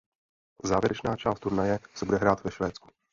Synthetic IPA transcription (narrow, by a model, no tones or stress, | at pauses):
zaːvjɛɾɛt͡ʃnaːt͡ʃaːst̪t̪uɾnajɛsɛbudɛɦɾaːt̪vɛʃvɛːt͡sku̥